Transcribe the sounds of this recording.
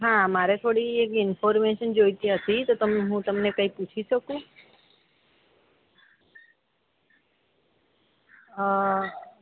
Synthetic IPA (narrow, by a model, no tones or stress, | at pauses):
ɦãmaɾet̪ʰoɽiekɪnpoɾmeʃənd͡ʒojt̪iɦət̪it̪ot̪əmɦũt̪əmnekəiput͡ʃʰiʃəkũ